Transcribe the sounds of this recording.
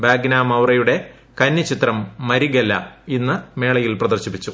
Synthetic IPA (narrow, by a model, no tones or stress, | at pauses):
baːɡnaːmɐwrɐjuɽe̞ | kɐnːɐt͡ɕit̪rɐmːɐɾiɣelːɐ̰inːɨme̞ːɭɐjilprɐðɐrɕipːit͡ɕːu